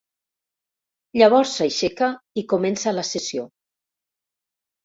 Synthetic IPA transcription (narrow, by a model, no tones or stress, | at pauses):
ʎəβ̞ɔɾsːaʃekaikumɛnsaləsəsio